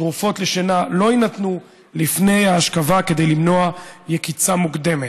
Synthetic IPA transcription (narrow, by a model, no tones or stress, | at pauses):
ʁufo̞tleʃenalo̞inat̪nu | lifne̞jaːʃkavake̞d̪e̞jlimno̞ajekit͡samukd̪e̞me